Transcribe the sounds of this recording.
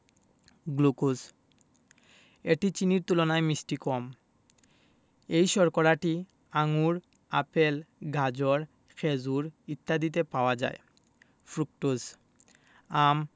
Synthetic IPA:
ɡlukus | eʈit͡ɕiniɾt̪ulɔnajmisʈikɔm | ejʃɔɹkɔɾaʈi | aŋuɹ | apelɡʱad͡ʑɔɹ | kʰezuɹit̪ːad̪it̪̬epaoad͡ʑa̰j | pʰɹuk̚ʈus | am

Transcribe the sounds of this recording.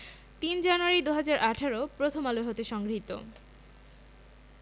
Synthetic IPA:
t̪ind͡ʑanuaɾid̪uɦad͡ʑaɾʔaʈʰaɾopɾot̪ʰomaloeɦot̪eʃɔŋɡɾit̪o̰

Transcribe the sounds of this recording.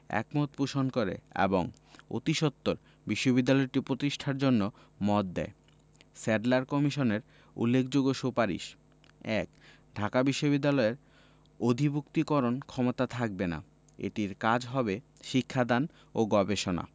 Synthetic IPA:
ɛ̰kmot̪̚puʃonkoɾḛḛboŋ | o̰t̪iʃot̪ːoɾ | biʃːobid̪ːalɔeʈipɾot̪iʃʈʰaɾd͡ʑonːo | mɔt̪̚d̪ɛ̰e | seɖlaɾkɔmiʃoneɾ | ṵlːekʰd͡ʑoɡoʃupaɾḭʃ | ɛk | ɖʱakabiʃːobid̪ːalɔeɾ | od̪ʱibukt̪ikɔɾonkʰɔmot̪at̪ʰak̚bena̰ | ḛʈiɾkad͡ʑɦɔbe | ʃikʰːad̪an | oɡɔbeʃona̰

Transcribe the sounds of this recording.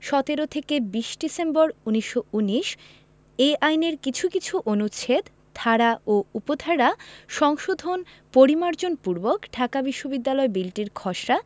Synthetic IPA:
ʃɔt̪eɾot̪ʰekebiʃɖisemboɾuniʃːouniʃ | eajneɾkit͡ɕʰukit͡ɕʰuʔonut͡ɕʰet̪ | t̪ʰaɾaoupot̪ʰaɾaʃɔŋʃod̪ʱon | poɾimaɾd͡ʑonpuɾbokʈʰakabiʃːobid̪ːalɔebilʈiɾkʰɔʃɾa

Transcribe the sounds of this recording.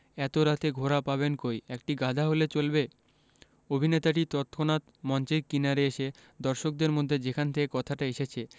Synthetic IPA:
ɛt̪oɾat̪eɡʱoɾapaβenkojɛk̚ʈiɡad̪ʱaɦolet͡ɕolbe | obʱinet̪aʈit̪ɔt̪kʰonat̪mɔnt͡ɕekːinaɾeeʃed̪ɔɾʃok̚d̪eɾmod̪ʱːed͡ʑekʰanet̪ʰekekɔt̪ʰaʈaeʃet͡ɕʰe

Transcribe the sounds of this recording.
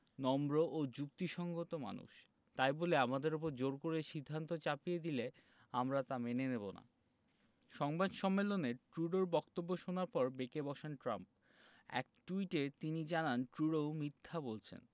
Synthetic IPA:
nɔmɾoʔod͡ʑuk̚t̪iʃɔŋɡot̪oma̰nṵʃ | t̪ajboleamad̪eɾup̬oɾd͡ʑoɾkoɾeʃid̪ʱːant̪ot͡ɕapijed̪ile | amɾat̪amenenebona̰ | ʃɔŋbad̪ʃɔmːeloneʈɾuɽoɾbɔkt̪obːoʃonaɾpɔɾbekebɔʃenʈɾamp | ɛ̰k̚ʈuiʈet̪inid͡ʑananʈɾuɽowmit̪ʰːabolt͡ɕʰḛn

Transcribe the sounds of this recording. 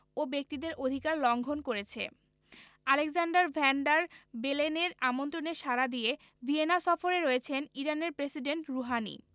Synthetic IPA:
obek̚t̪id̪eɾod̪ʱikaɾlɔŋɡʱonkoɾet͡ɕʰḛ | alekzaɳɖaɾbʱɛɳɖaɾbeleneɾamont̪ɾoneʃaɾad̪ije | vʱienaʃɔfoɾeɾoet͡ɕʰeniɾaneɾpɾesiɖeɳʈɾuɦanḭ

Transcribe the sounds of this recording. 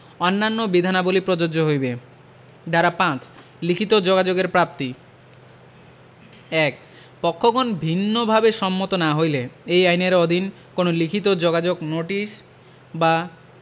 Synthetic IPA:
ɔnːanːobid̪ʱanabolipɾod͡ʑod͡ʑoɦojbe | d̪aɾapãt͡ɕ | likʰit̪od͡ʑoɡad͡ʑoɡeɾpɾap̚t̪i | ɛk̚ | pɔkʰːoɡonbʱinːobʱabeʃɔmːot̪onaɦojleejajneɾɔd̪ʱin | konolikʰit̪od͡ʑoɡad͡ʑoɡnoʈiʃ | ba

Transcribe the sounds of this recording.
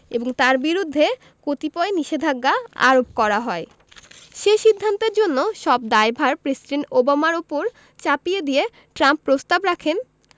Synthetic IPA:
eboŋt̪aɾbiɾud̪ʱːe | kot̪ipɔeniʃed̪ʱaɡːaa̰ɾopkɔɾaɦɔe | ʃeʃid̪ʱːant̪eɾd͡ʑonːoʃɔb̚d̪aebʱaɾpɾesiɖeɳʈobamaɾupoɾ | t͡ɕapijed̪ije | ʈɾampːɾost̪abɾakʰen

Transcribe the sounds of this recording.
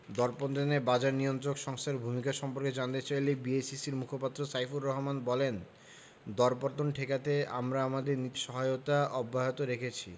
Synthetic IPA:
d̪ɔɾpont̪onebad͡ʑaɾnijont̪ɾokʃɔŋst̪ʰaɾbʱumikaʃɔmpoɾked͡ʑant̪et͡ɕajlebiejsisiɾmukʰopat̪ːɾosajfuɾːɔɦomanbɔlen | d̪ɔɾpoɾt̪onʈʰekat̪ea̰mɾaamad̪eɾnit̪ʃɔɦajot̪aɔbːaɦot̪oɾekʰet͡ɕʰi

